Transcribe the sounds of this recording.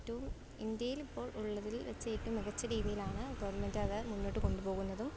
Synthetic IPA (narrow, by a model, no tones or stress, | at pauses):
tːuʋum | ind̪jɐjilipːo̞ːɭuɭːɐðilʋet͡ɕːejʈːumːiɣɐt͡ɕːɐɾiːðijilaːɳɨɡɐʋɐrɳɐmendɐðɨmunːoːʈːɨko̞ɳɖupo̞ːɣunːɐðum